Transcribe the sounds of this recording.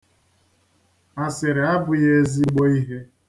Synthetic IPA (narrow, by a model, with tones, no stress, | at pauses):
a˨sɪ˨ɾɪ˨a˦bʊ˨je˦zi˦ɡ͡bo˦i˦ɦe˦